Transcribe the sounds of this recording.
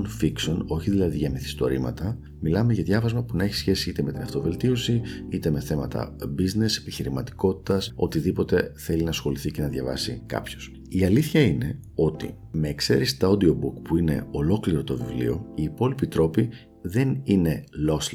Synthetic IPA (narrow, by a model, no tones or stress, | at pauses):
nfikso̞no̞çiðilɐðiʝɐmiθist̪o̞ɾimɐ̰t̪ɐ | milɐme̞ʝɐðʝɐvɐzmɐpunɐe̞çi̥sçe̞siit̪e̞me̞t̪inɐft̪o̞ve̞lt̪io̞siit̪e̞me̞θe̞mɐt̪ɐ̰bizne̞se̞̥piçiɾimɐt̪i̥ko̞t̪i̥t̪ɐso̞t̪iðipo̞t̪e̞θe̞linɐsxo̞liθice̞nɐðʝɐvɐ̰sikɐ̰pço̞̥s | iɐliθçɐine̞ | o̞t̪ḭ | me̞ːkse̞̰ɾisi̥t̪ɐo̞d̪io̞bukpuine̞̰o̞lo̞kliɾo̞t̪o̞vivlḭo̞̰iːpo̞lipit̪ɾo̞pi | ðe̞nine̞lo̞s